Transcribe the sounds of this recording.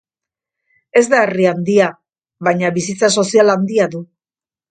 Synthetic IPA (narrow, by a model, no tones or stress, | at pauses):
e̞zd̪ae̞riand̪ia | βajɲaβisit͡saso̞sialand̪iaðu